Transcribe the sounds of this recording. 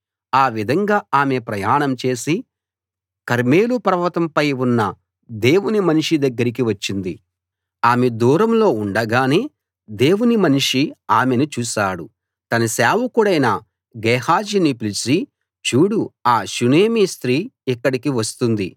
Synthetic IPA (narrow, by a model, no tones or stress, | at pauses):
aːʋid̪ʱɐŋɡaːaːme̞pɾɐjaːɳɐmt͡ʃe̞ːsi | kɐɾme̞ːlupɐɾɐʋɐt̪ɐmpɐjunːɐ | d̪e̞ːwunimɐniʂid̪ɐɡːɐɾik̬iʋɐt͡ʃːind̪i | aːmed̪uːɾɐmlo̞ːuɳɖɐɡaːneː | d̪e̞ːwunimɐniʂiaːmenut͡ʃuːsaːɽu | t̪ɐnɐsaːʋukuɽɐjnaː | ɡɛːhaːd͡ʒinipilisi | t͡ʃuːɽuaːʃuneːmist̪ɾiːikːɐɽikiʋɐst̪und̪ḭ